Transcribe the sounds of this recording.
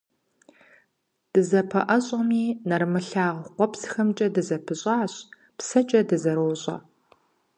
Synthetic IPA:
d̥ɨzɐpʰɐʔɐɕʼɐmiːnɐrmɨɬaːʁqʷɔpsxɐmt͡ʃʼɐdɨzɐpʰɨɕʼaːɕ | psɐt͡ʃʼɐdɨzɐɾowɕʼɐ̰

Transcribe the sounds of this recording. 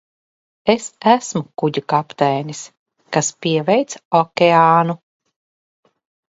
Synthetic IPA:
esæsmukuɟukapt̪ɛjnʲis | kaspiɛvɛjt̪sɔkʲeaːnu

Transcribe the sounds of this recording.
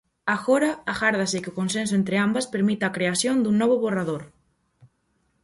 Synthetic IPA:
aɣoɾaaxaɾðasekɪʊkonsens̬ʊẽnt̪ɾeambaspeɾmit̪aːkɾeasjond̪uŋnɔβ̞ʊβoraðoɾ

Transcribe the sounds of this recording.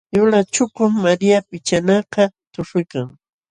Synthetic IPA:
jʊlat͡ʃʊkʊmːaɾijapɪt͡ʃanɑqɑt̪ʊʂʊjkaŋ

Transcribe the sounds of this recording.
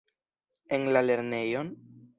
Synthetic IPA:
enlale̞ɾne̞jo̞n

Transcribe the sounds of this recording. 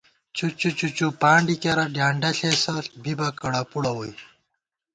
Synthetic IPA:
t͡ɕut͡ɕut͡ɕut͡ɕupaːɳɖikɐɾɐɖjaːɳɖɐɬeːsɐɬbibɐkɐɽapuɽɐwoj

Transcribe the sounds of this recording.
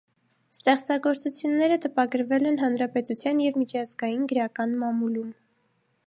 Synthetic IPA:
st̪ɛχt͡sɑɡɔɾt͡sut͡sʰjunːɛɾət̪əpɑɡəɾvɛlɛnɦɑnɾɑpɛt̪ut͡sʰjɑnjɛvmit͡ʃʰɑzɡɑjinɡəɾɑkɑnmɑmulum

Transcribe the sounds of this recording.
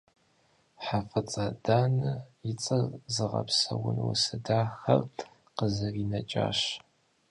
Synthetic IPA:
ħafɨt͡sʼad̥aːnɨjɪt͡sʼɐzɨʁɐ̰psɐwʊnwʊ̰sɨdaːxɐ̰r | qəzɐriːnɐt͡ʃʼa̰ːɕ

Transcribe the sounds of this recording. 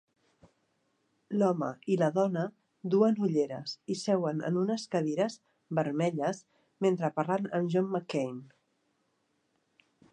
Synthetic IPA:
lɔmə̰iləðɔnə | d̪uənuʎeɾəsisɛwənə̰nunəskəðiɾəz | βəɾmɛʎəs | ment̪ɾəparlanənʒɔmːəkejn

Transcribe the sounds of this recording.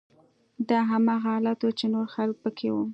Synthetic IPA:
d̪ɑɦamɑɣaɑlat̪wut͡ʃenoɾxalk̚pəkʰewu

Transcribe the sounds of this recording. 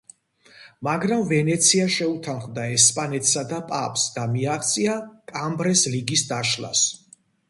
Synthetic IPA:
maɡɾamvɛnɛt̪sʰiaʃɛut̪ʰanχmd̪aɛspʼanɛt̪ʰsad̪apʼa̰pʼsd̪amiaχt̪sʼiakʼambɾɛsliɡisd̪aʃlˠa̰s

